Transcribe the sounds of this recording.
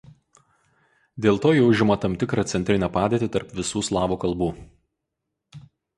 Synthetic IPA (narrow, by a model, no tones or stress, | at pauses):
d̪ʲeːlˠt̪oːjɛʊʒʲɪmɐt̪ɐmʲt̪ʲɪkɾɑt̪sʲɛnʲt̪ʲɾʲɪnʲɛpɑːd̪ʲeːt̪ʲɪt̪ɐɾpʋʲɪsuːslˠɑːʋuːkɐlˠbuː